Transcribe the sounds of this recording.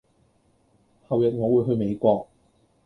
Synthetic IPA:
hɐ˨wjɐ˨t̚ŋɔː˨˧wuː˨˧jɦɵ˧ɥme˨˧jkʷɔː˧k̚

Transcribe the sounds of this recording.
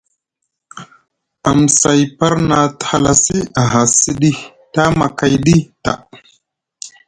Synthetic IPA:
a˨m˨sa˨jpa˦ɾna˨tha˨la˨si˦a˨ɦa˨si˦ɗi˦ | ta˦ma˨ka˨jɗi˦ta̰˨

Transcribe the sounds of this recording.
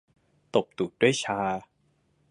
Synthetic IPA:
t̪o˨˩p̚d̪uː˨˩t̪̚d̥u˥˩əjt͡ɕʰaː˧

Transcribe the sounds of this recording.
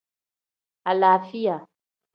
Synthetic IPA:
a˨laː˨fi˦ja˨

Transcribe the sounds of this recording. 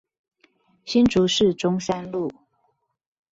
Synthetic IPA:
ɕi˦nʈ͡ʂu˨˦ʂɻ̩˥˨ʈ͡ʂʊ˦ŋsa˦nlu˥˨

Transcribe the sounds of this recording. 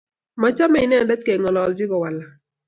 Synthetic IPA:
ma˨t͡ʃa˦mɛ˦ɪ˦nɛ˦˨ndɛ˦t̪̚ke˨ŋɔ˨lɔ˨ld͡ʒɪ˦ɡɔ˨wa˨la˨

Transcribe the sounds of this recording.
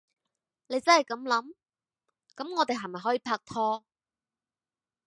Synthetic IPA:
ne˨˧jt͡sɐ˥nhɐ˨˩jkɐ˨˧˥mlɐ˨˥m | kɐ˨˥mŋɔː˨˧t̪̬e˨jɦɐ˨˩jmɐ˨jɦɔː˨˥jiː˧˩pʰaː˧k̚t̪ʰɔː˧

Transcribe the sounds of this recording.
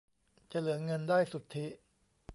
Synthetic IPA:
t͡ɕa˨˩lɯ˩˦ɐŋɤ˧ndaː˥˩jsu˨˩t̪ʰːi˦˥ʔ

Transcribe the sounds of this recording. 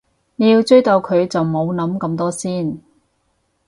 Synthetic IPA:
ne˨˧ji˧wt͡ʃɵ˥ɥt̪ɐ˨˧wkʰɵ˨˧ɥt͡sɐ˨wmo˨˧wnɐ˨˥mkɐ˧mt̪ɔː˥siː˥˩n

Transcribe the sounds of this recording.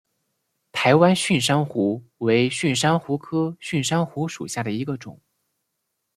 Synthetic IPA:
t̪ʰa˧˥ɪwa˥nɕy˥˩nʂ̬a˥nxu˧˥we˧˥ɪɕy˥˩nʂa˥nxu˧˥kʰɤ˥ɕy˥˩nʂa˥nxu˧˥ʂu˨˩ɕja˥˩d̪ə˩i˧˥ɡə˧ʈ͡ʂʊ̰˨˩˦

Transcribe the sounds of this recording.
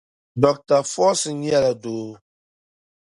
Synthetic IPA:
dɔ˨k̚ta˨fɔː˦sɨ˨n̩˦jɛ˦la˨doː˨˦

